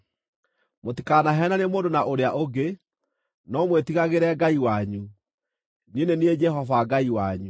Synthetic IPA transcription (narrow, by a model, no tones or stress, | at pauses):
motikanaɦɛnanemoːndonaʔoɾeaʔoɡe | nɔmwetiɣaɣeɾɛːɡaiwaɲu | nienenied͡ʒɛɦɔvaɡaiwaɲu